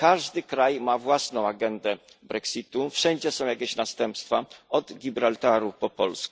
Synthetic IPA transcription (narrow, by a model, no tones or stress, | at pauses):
kaʐd̪ɘkɾajmavwasnɔ̃w̃aɡɛnd̪ɛ | bɾɛksit̪ufʂɛnd͡ʑɛsɔ̃w̃jakʲeɕnast̪ɛmpst̪faɔd̪ɡʲibɾalt̪aɾupɔpɔlsku̥